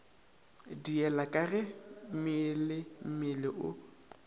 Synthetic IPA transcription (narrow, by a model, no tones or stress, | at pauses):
diɛlakʼarɛmɪlɪm̩mɪlɪʔʊ